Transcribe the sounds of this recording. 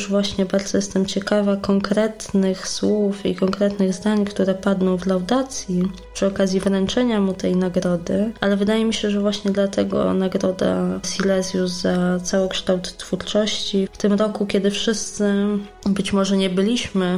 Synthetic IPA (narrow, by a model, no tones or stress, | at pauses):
ʐvwaɕɲɛbaɾd̪zɔjɛst̪ɛmt͡ɕɛkavakɔŋkɾɛt̪nɘxswufḭkɔŋkɾɛt̪nɘɣzd̪aɲkt̪uɾɛpad̪nɔ̃w̃vlawd̪at̪sʲji | pʂɘɔkazʲjivɾɛnt͡ʂɛɲamut̪ɛjnaɡɾɔd̪ɘʔalɛvɘd̪ajɛmʲiɕɛʐɛvwaɕɲɛd̪lat̪ɛɡɔ̰naɡɾɔd̪a̰sʲilɛzʲjuszat̪sawɔkʂt̪awt̪ːfuɾt͡ʂɔɕt͡ɕift̪ɘmɾɔkukʲɛd̪ɘfʂɘst̪sɘ | bɘt͡ɕmɔʐɛɲɛbɘlʲiɕmɘ